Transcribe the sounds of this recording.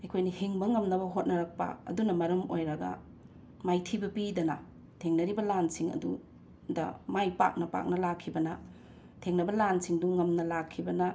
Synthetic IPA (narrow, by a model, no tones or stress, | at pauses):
ɐjkʰojnihiŋbɐŋɐmnɐbɐɦot̚nɐɾɐk̚pɐ̰ɐ̰dunɐmɐɾɐmojɾɐɡɐ̰ | majtʰibɐpidɐnɐ̰ | tʰeŋnɐɾibɐlansiŋɐ̰du | dɐ̰majpa̰k̚nɐpa̰k̚nɐlakʰːibɐnɐ | tʰeŋnɐbɐlansiŋduːɐmnɐlakʰːibɐnɐ